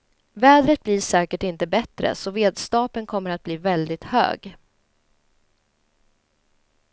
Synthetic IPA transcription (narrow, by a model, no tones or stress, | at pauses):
vɛːd̪ɾət̪̚blɪʂɛːkəʈɪnt̪əbɛt̪ɾə̰sɔveːd̪st̪ɑːpənkʰɔmːəɾat̪̚bliːvɛld̪ɪt̪hø̰ːɡ